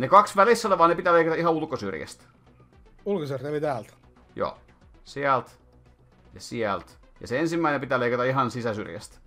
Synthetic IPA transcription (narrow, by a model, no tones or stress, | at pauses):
nekɑksʋælisːoleʋɑːnepit̪æːleikɑt̪ɑihɑulkosy̰rjæ̰st̪ | ulkosyrelit̪æːlt̪ | jo̰ː | siælt̪ | jɑsiælt̪ | jɑ̰seensimːæinempit̪æːleˑikɑt̪ɑiɦɑnsisæsy̰rjæ̰st̪